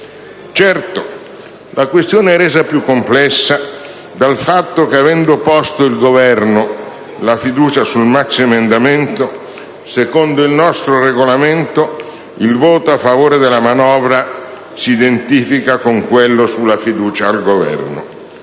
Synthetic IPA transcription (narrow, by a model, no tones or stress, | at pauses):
t͡ʃɛrt̪o | lʔakwest̪joːneɛrːeːzapjukːomplɛsːa | d̪alfat̪ːokeavɛnd̪opɔst̪oilɡovɛrno | lafid̪uːt͡ʃasulmaksiemend̪ament̪o | sekond̪oilnɔst̪ɾoreɡolament̪o | ilvoːt̪oafːavoːɾed̪elamanɔːvɾa | siːd̪ent̪iːfikakoŋkwelːosulːafid̪uːt͡ʃaːlɡovɛ̰rno